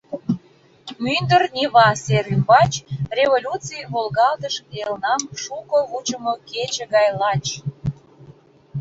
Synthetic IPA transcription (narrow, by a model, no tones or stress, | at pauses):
mynd̪ərnʲiβɑseɾymbɑt͡ɕrʲevolʲut͡sijβolɣɑld̪əʃkelnɑmʃukəut͡ɕəmoket͡ɕə̆ɣɑjlɑt͡ɕ